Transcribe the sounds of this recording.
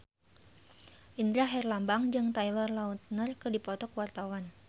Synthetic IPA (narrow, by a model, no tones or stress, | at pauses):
ʔind̪ɾaɦɛrlambaŋd͡ʒɨŋt̪ajlɔrlaut̪̚nərkɨdipɔt̪ɔkwart̪awan